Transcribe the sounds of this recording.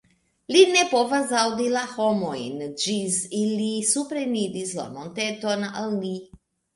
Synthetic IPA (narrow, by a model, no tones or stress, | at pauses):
linepovazawd̪ilaxomojnd͡ʒisilisupɾenid̪isla̰mont̪et̪onalni